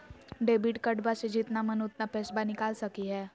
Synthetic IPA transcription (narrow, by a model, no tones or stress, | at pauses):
ɖeːbiʈkəʈbased͡ʒit̪namənʊt̪napɛːsbanɪkaːlsəkiɦɛː